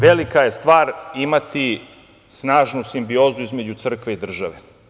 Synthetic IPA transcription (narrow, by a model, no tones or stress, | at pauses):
ʋelikaje̞st̪ʋaːɾimat̪i | snaːʒnusimbioːzuizmed͡ʑut̪sr̩kʋe̞id̪r̩ʒaʋe